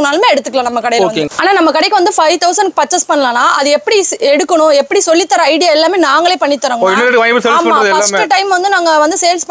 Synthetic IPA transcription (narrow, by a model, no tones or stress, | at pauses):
naːlmeːɛɽɯt̪ːɯkːɐlãːnɐmːɐkɐɽɐjɪlɐkːaːnaːnɐmːɐkɪɽɐɪkːɐʋɐnd̪ɯfɐɪt̪ɐʊsɐɳɖpɐʈt͡ʃːɐspɐɳːɐlãːnːaːʔɐðɯɛpːɐɽiɛɽɯkːɐɳʊ̃ɛpːɐɽisɔlːɪt̪ːɐɾɐɐɪɽɪjaːɛlːaːmeːnaːŋɡɐɭeːpɐɳːit̪ːɐɾɐŋɡɐɪnːɐɾɽɯkɯʋɐŋmɯsejsmpɐɳaɾɐðɛɐlaːmːɯʈɐɪmʋɐnd̪ɯnaːŋɡɐʋɐnd̪ɯsejlsp